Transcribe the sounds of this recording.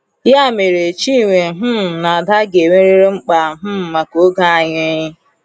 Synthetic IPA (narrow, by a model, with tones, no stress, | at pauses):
ja˦˨me˨ɾe˨t͡ʃi˦˨ŋʷe˨ɦʊ˦m̩˨na˨a˨da˦ɡe˨me˦ɾi˦ɾe˦ŋ͡m̩˦k͡pa˨˦ɦʊ˦m̩˨ma˨ko˨˦ɡa˦a˨ɲe˦ɲɪ˦